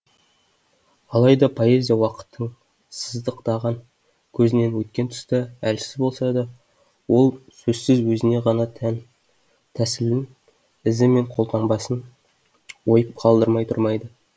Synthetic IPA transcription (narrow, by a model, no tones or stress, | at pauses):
ɑlˠɑjd̪ɑpʰo̞e̞zʲijawɑqə̥t̪ʰːəɴ | səzd̪əqt̪ɑʁɑŋ | kʲʰɵzɪne̞nwɵt̪̚kʲe̞nt̪ʰʊ̥st̪ɑælsɪzbo̞lˠsɑd̪ɑ | wo̞lˠsɵzsɪzwɵzɪne̞ʁɑnɑt̪ʰæn | t̪ʰæsɪlɪn | ɪzɪme̞ɴqʰo̞lˠt̪ʰɑɴbɑsən | wo̞jəp̚qʰɑlˠd̪əɾmɑjt̪ʰʊ̰ɾmɑjd̪ə